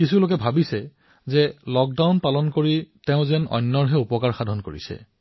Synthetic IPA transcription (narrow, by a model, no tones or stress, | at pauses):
kisulokɛbʱabisɛ | zɛlɔk̚dawnpalɔnkoɹiteʊ̃zɛnɔ̰jnːɔɹɦɛupɔkaɹxadʱɔnkoɹḭsɛ̰